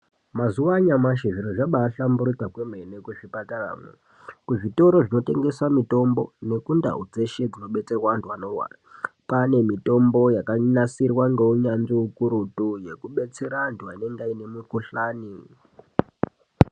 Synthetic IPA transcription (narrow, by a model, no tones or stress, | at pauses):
mazuwaɲamaʃiʐiɾoʐaɓaːɬambuɾit͡sakwemenekuʐipatara̰ːmwḛ | kuʐito̞ɾo̞ʐino̞te̞ŋɡe̞swamito̞mbo̞ne̞kunda̰ɦud͡ze̞ʃed͡zino̞ɓe̞t͡se̞rwantuano̞wa̰rapane̞mito̞mbo̞jakaɲasirwaŋɡeuɲanʐiukuɾutuje̞kuɓe̞t͡se̞ɾantuaine̞ŋɡaine̞mukuɬaːni